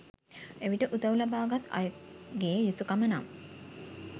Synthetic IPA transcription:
eʋiʈəʔut̪əwlabaːɡat̪ʰɐ̰jɡeːjut̪ukamənam

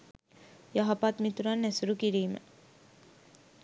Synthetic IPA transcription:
jaɦapat̪mit̪uɾanːæsuɾukiɾiːmə̰

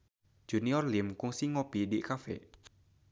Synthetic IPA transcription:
d͡ʒ̥ṳniɔrlimkʊŋsiŋɔpidiʔkafɛ̰

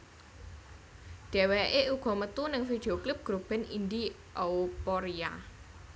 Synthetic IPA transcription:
ɖ̪̥e̤weʔeʔuɡ̥ɔ̤mət̪unɪŋfid̪̥eoklɪp̚ɡ̥ɾob̥ɛnind̪i | ʔaupoɾia̰

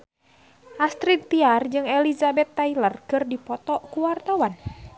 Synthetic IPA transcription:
ʔast̪ɾid̚t̪iard͡ʒɨŋɛlizabɛt̪ːailərkɨrdipɔt̪ɔkuwart̪awan

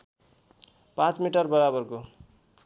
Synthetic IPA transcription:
pãt͡smiʈʌrbʌɾabʌrko

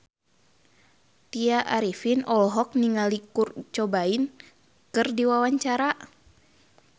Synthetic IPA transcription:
t̪iaʔaɾifinɔlɔɦɔk̚niŋalikurt͡ʃɔbain | kɨrdiwawaɲt͡ʃaɾa

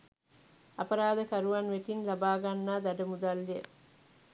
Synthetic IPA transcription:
ɐpɐɾaːd̪əkɐɾuʋɐnʋet̪iŋlabaːɡanːaːd̪ɐɖəmud̪alːijə

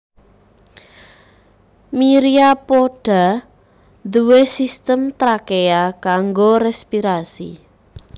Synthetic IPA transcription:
miɾiapoɖ̥a̤ | d̪uwesist̪əmt̪ɾakeakaŋɡorɛspiɾasḭ

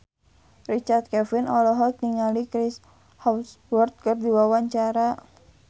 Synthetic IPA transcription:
rit͡ʃart̪̚kɛfinɔlɔɦɔk̚niŋalikɾis | hawsbɔrt̪̚kɨrdiwawaɲt͡ʃaɾa

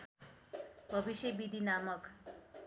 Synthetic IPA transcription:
bʱʌbiɕjebid̪ʱinamək

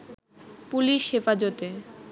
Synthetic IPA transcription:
puliʃhefad͡ʑot̪e

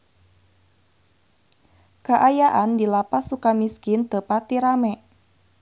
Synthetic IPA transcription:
kaʔajaʔandilapasukamiskɪnt̪əpat̪iɾamɛ

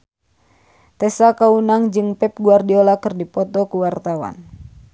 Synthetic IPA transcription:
t̪ɛsakaunaŋd͡ʒɨŋpɛp̚ɡuardiɔlakɨrdipɔt̪ɔkuwart̪awa̰n

